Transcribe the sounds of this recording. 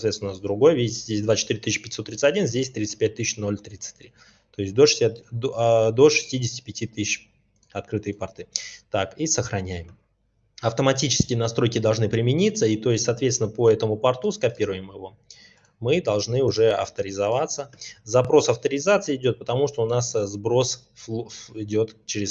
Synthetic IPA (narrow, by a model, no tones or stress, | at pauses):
t̪vʲesnəzd̪ɾʊɡo̞jvʲetʲzʲdʲesʲd̪vat͡ɕɪt̪ɨɾʲɪt̪ɨɕːpʲɪ̥tʲɪsot̪ːɾʲit̪sɨtʲɐdʲinzʲdʲesʲt̪ɾʲit̪sɨ̥pʲæt̚ʲt̪ɨɕno̞lʲt̪ɾʲit̪sɨ̥tʲt̪ɾʲi | t̪o̞ɪsʲtʲd̪oʂʲ | d̪o̞ʂɨ̥sʲtʲidʲɪsʲɪtʲɪ̥pʲɪtʲit̪ɨɪɕ | ɐt̪̚kɾɨt̪ɨjpɐrt̪ɨt̪akisəxɾɐnʲæjɪm | ɐft̪əmɐtʲit͡ɕɪ̥skʲɪjənɐst̪ɾo̞jkʲɪd̪ɐlˠʐnɨpɾʲɪmʲɪnʲit̪səit̪o̞ɪsʲt̪ʲsɐːt̪vʲet̪sʲɪnəpəɛt̪əmʊpɐrt̪uskɐpʲiɾʊjɪmjɪvo̞ | mɨd̪ɐlˠʐnɨʊʐɛɐ̰ft̪əɾʲɪzɐvat̪səzɐpɾo̞sɐft̪əɾʲɪzat̪sɨəɪdʲo̞t̪̚pət̪ɐmuʂt̪o̞ʊnaszbɾo̞s | ɪdʲo̞t̪t͡ɕɪɾʲɪs